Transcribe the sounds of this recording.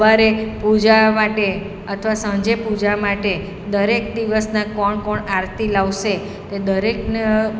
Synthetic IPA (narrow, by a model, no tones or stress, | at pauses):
aɾepud͡ʒamaʈe | ət̪ʰəʋasə̃ɲd͡ʒepud͡ʒamaʈe | d̪əɾek̚d̪iʋəsnãkɔɳkɔɳaɾt̪ilaʋʃe | t̪ed̪əɾek̚ne